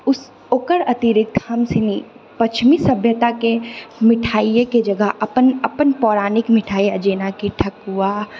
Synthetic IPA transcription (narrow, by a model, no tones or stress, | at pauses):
ʊs | oːkəɾɐt̪iɾɪk̚t̪ʰhɐmsɪni | pɐt͡ʃʰmisɐbʱjət̪akemɪʈʰaːieked͡ʒɐɡəɦɐpənɐpənpɔːɾaːnɪkmɪʈʰaːiɐd͡ʒeːnakiʈʰɐkɦuaː